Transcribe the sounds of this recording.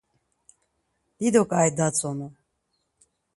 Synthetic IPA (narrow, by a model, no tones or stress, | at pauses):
d̪̥id̪ɔkʼajd̪at͡sʰʼɔnu